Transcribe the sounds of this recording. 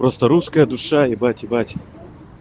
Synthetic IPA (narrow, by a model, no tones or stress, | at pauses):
pɾost̪əɾuskəjəd̪ʊʂaibatʲɪbatʲ